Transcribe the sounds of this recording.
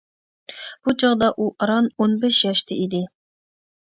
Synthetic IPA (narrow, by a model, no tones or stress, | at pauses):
b̥ut͡ʃʰɑʁd̪ɑʔuʔɑɾɑnonbɛʃjɑʃt̪ʰɪid̪ɪ